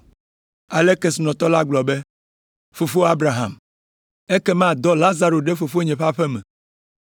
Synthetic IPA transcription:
a˨le˦ke˨snɔ̃˨t̪ɔ˦la˦ɡ͡blɔ˨be˦ | fo˨fo˦a˦bɾa˨ɦa̰˨m | e˦kɛ˦mã˦˨d̪ɔ˦la˦za˨ɾo˨ɖe˦fo˨fo˦ɲɛ̃˨ɸa˦ɸɛ˦mɛ̃˨

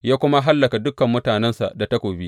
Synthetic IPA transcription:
jaː˦kʷʊ˦ma˦ɦa˦lːɐ˨ka˨dʊ˦kːɐ˨mːʊ˦taː˨nɛ˦nsa̰˨ʔda˨ta˦kʷoː˨bi˦ʔ

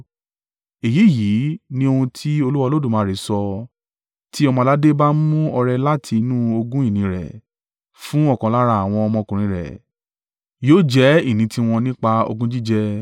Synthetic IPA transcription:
e˨ji˨˦˨ji˨˦nĩ˦o˧hũ˧tʰi˦o˧lu˦wa˧lo˦dũ˦˨mãː˨˦ɾe˨˦sɔ˧ | ti˦ɔ˧mɔ̃˧la˦de˦ba˦mũ˦ɔ˧ɾɛ˧la˦tʰi˧nũ˦o˧ɡũ˦i˦˨nĩ˨˧˦ɾɛ̰˨ | fũ˦ɔ˦˨kɔ̃˨˧˦la˦ɾa˧˦a˨w̃ɔ̃˧ɔ˧mɔ̃˧kũ˨ɾ̃ĩ˧ɾɛ̰˨ | joː˦d͡ʒɛ˦i˦˨nĩ˨˧ti˦w̃ɔ̃˧nĩ˦k͡pa˧o̰˧ɡũ˦d͡ʒi˦d͡ʒɛ˦

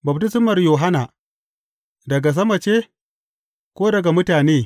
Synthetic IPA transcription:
bɐ˨ptɪ˦sɪ˦mɐ˨rjoː˨ɦa˦naː˨ | dɐ˨ɡa˨s̬ɐ˦mɐ˨t͡ʃeː˦ | kʷoː˦dɐ˨ɡa˨mʊ˦taː˨neː˦˨

